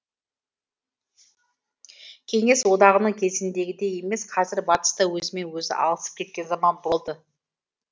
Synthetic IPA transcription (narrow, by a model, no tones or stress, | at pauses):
kʲʰe̞ŋe̞swo̞d̪ɑʁənəɴkʲʰe̞zɪnd̪e̞ɡʲɪd̪e̞je̞me̞sqʰɑzɪɾbɑt̪ə̥st̪əwɵzɪme̞nwɵzɪ̰ʔɑ̰lˠəsə̥p̚kʲʰe̞t̪̚kʲe̞nzɑmɑnbo̞lˠd̪ə